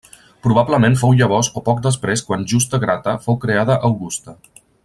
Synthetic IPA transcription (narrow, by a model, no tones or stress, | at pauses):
pɾuβ̞abləmẽnfowʎəβ̞ɔzopɔk̚d̪əspɾeskwanʒust̪əɣɾat̪əfowkɾeaðəʔəwɣust̪ə